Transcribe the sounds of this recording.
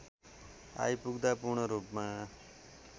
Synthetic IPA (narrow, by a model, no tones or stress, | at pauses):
a̰jpuɡd̪apurɳʌɾupma